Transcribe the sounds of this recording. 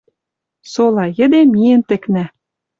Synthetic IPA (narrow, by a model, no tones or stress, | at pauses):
solɑjə̆d̪emijĕnt̪ɘ̆knæ